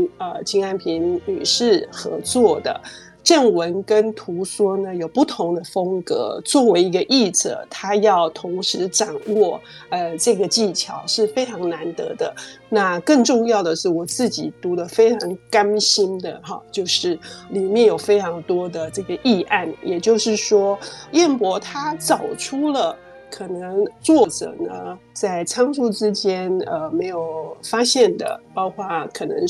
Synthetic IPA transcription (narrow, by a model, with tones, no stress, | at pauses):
ə˧t͡ɕʰi˧˥ŋa˥˩npʰi˧˥nny˨˩ʂɻ̩˥˩xɤ̰˧˥t͡swɔ˥˩d̪ə̰˩ | ʈ͡ʂə˥˩ŋwə˧˥nkə˥nt̪ʰu˧˥swɔ˥nə˨jo˨˩ʊpu˥˩t̪ʰʊ˧˥ŋd̪ə˧fɤ˥ŋkɤ̰˧˥t͡swɔ˥˩we˧˥ɪi˧˥ɡə˧ʔi˥˩t͡sə̰˨˩t̪ʰa˥jɑ˥˩ʊt̪ʰʊ˧˥ŋʂɻ̩˧˥ʈ͡ʂɑ˨˩ŋwɔ˥˩ | ə˧ʈ͡ʂɤ˥˩ɡə˩t͡ɕi˥˩t͡ɕʰjɑ˧˥ʊʂɻ̩˥˩fe˥ɪʈ͡ʂʰɑ˧˥ŋna˧˥nt̪ɤ̰˧˥d̪ə˧ | na˥˧kɤə˥˧ŋʈ͡ʂʊ˥˧ŋjɑ˥˩ʊd̪ə˩ʂɻ̩˥˩wɔ˨˩t͡sɹ̩˥˩t͡ɕi˨˩t̪u˧˥d̪ə˧fe˥ɪʈ͡ʂʰɑ˧˥ŋka˥nɕi˥nd̪ə˨xɑ˧˩t͡ɕjo˥˧ʊʂɻ̩˥˩li˨˩mjɛ˥˩njo˨˩ʊfe˥ɪʈ͡ʂʰɑ˧˥ŋt̪wɔ˥d̪ə˨ʈ͡ʂɤ˥˩ɡə˩ʔi˥˧ʔa˥˩njɛ˨˩t͡ɕjo˥˧ʊʂɻ̩˥˩ʂwɔ˥jɛ˥˩npwɔ˧˥t̪ʰa˥t͡sɑ˨˩ʊʈ͡ʂʰu˥lə˨ | kʰɤ˨˩nə˧˥ŋt͡swɔ˥˩ʈ͡ʂɤ̰˨˩nə̰˦ | t͡sa˥˩ɪt͡sʰɑ˥ŋʂu˥ʈ͡ʂɻ̩˥t͡ɕjɛ˥nə˧me˧˥ɪjo˨˩ʊfa˥ɕjɛ˥˩nd̪ə̰˩pɑ˥ʊkʰwa˥˩kʰɤ˨˩nɤ̰˧˥ŋ